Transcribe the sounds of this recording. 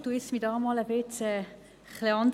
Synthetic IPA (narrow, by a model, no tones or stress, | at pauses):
d̥uɪsmidɑːmɑləb̥ɪt͡sɛ | χlɪɑnd